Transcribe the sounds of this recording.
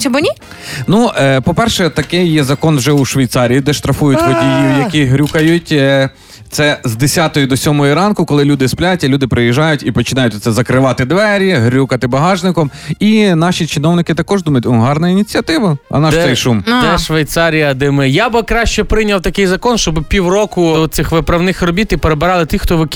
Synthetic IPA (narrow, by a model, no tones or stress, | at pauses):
t͡ʃɔbɔnʲi | nupɔpɛrʃɛt̪ɐkɪjjɛzɐkɔnwʒɛuʃʋʲɐjt̪sɑɾʲiːd̪ɛʃt̪ɾɐfujʊtʲɦɔdʲijʊjɐkʲiɦɾʲukɐjutʲ | t̪sɛzd̪esʲat̪ɔjʊd̪ɔsʲɔmɔjiɾɑnkʊkɔlˠɪlʲud̪ɪsplʲatʲːɐlʲud̪ɪpɾɪjiʒɑjʊtʲipɔt͡ʃɪnɑjʊt̪ʲt̪sɛzɐkɾɪʋɑt̪ɪd̪ʋɛɾʲiɦɾʲukɐt̪ɪbɐɦɑʒnɪkɔminɑʃit͡ʃɪnɔwnɪkɪt̪ɐkɔʒd̪umɐjʊt̪ʲɔɦɑrnɐinʲit͡sʲiɐt̪ɪʋɐɐ̰nɑʃsɛjʃumd̪ɛʃʋejt̪sɑɾʲijɐd̪ɪmɪjabɪkɾɑʃt͡ʃɛpɾɪnʲɐwt̪ɐkɪjzɐkɔnʃt͡ʃɔbɪpʲiwrɔkʊɔsɪxʋɪpɾɐwnɪxrɔbʲit̪ipeɾebɪɾɑlˠɪt̪ixt̪ɔʋɪkʲ